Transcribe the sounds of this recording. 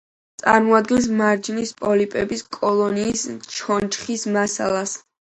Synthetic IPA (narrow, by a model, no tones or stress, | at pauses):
t̪sʼa̰ɾmɔad̪̚ɡɛns̬maɾd͡ʒinispʼɔlipʼɛbiskʼɔlˠɔniːst͡ʃʰɔnt͡ʃχismasa̰lˠas